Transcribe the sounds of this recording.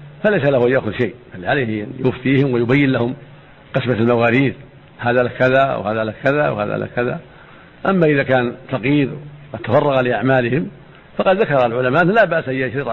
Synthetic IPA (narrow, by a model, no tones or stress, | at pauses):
falejsalahuʔajːaxʊðʃajʔʔalːʕalehjʊft̪iːhɪmwɪjʊbajːɪnlahʊm | qɨsmalmawaːɾiːð | haːðalakaðaʔwhaːðalakaðawha̰ːða̰la̰kaða̰ | ʔamːaʔɪðakaːnfɑqiːɾqɑd̪t̪ːafɑrˤːɑɣalɪʔaʕmaːlɪhɪm | fɑqɑd̪ðakɑɾˤɑlʕʊlamaʔanːalaːbaʔsʔajːaʃɾɪtˤ